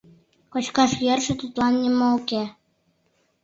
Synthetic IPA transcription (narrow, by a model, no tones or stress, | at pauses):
kot͡ɕkɑʃjerʃɘ̆t̪ut̪lɑnːʲimɤuke